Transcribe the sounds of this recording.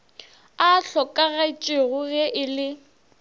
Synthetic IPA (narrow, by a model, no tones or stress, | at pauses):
aɬɔkʼaɣait͡ʃʼɪɣʊɣɛʔɪlɪ